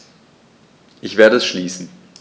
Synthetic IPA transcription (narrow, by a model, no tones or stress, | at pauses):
ʔɪçv̥eːɐɾəɛsʃliːsn̩